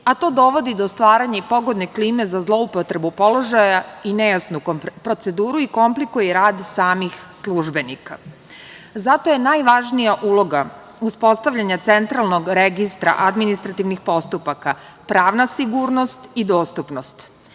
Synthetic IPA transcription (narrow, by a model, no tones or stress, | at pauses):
at̪o̞ːd̪o̞ʋo̞d̪id̪ost̪ʋaːɾaɲaipo̞ɡo̞d̪ne̞kliːme̞zazlˠo̞upot̪ɾe̞bupo̞lˠo̞ʒajaine̞jasnukpɾo̞t̪se̞d̪uːɾuiko̞mplikujɛɾaːd̪saːmixslˠuʒbe̞nika̰ | zat̪o̞jenajʋaʒnijaʔulˠo̞ɡa | uspo̞st̪aʋʎaɲat̪se̞nt̪ɾalˠno̞ɡɾeɡist̪ɾa̰ʔad̪minist̪ɾat̪iʋnixpo̞st̪upaka | pɾaːʋnasiɡuːɾno̞st̪id̪o̞ːst̪upno̞st̪